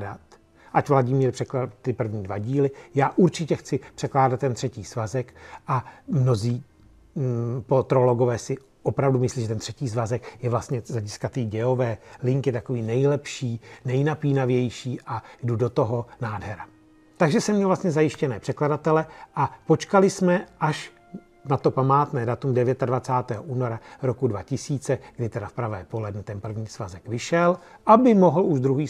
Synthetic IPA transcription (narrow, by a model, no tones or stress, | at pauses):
dat̪ | ʔacvlaɟɪmiːɾpr̥ɛklat̪ɪpr̩vɲiːdvaɟiːlɪjaːʔuɾt͡ʃɪcɛxt͡sɪpr̥ɛklaːdat̪ːɛnt̪r̝̥ɛciːsvazɛkʔamno̞ziː | pot̪ɾo̞lo̞ɡovɛːsɪ | ʔopɾavdumɪsliːʒɛt̪ɛnt̪r̥ɛciːs̬vazɛkjɛvlast̪ɲɛzlɛɟɪskat̪iːɟɛovɛːlɪŋkjɛt̪ako̞viːnɛjlɛpʃiːnɛjnapiːnavjɛjʃiːʔaɡdudo̞t̪o̞ɦo̞naːdɦɛɾa | t̪aɡʒɛsɛmɲɛlvlast̪ɲɛzajɪʃcɛnɛːpr̝̥ɛkladat̪ɛlɛʔapo̞t͡ʃkalɪsmɛʔaʃ | nat̪o̞pamaːt̪nɛːdat̪umdɛvjɛt̪advat͡saːt̪ɛːɦoʔuːnoɾaɾo̞kudvacɪsiːt͡sɛɡ̥dɪt̪ɛdafpɾavɛ̰ːpo̞lɛdnɛt̪ɛnpr̩vɲiːz̥vazɛkvɪʃɛlʔabɪmo̞ɦl̩uʒd̪ɾuɦiː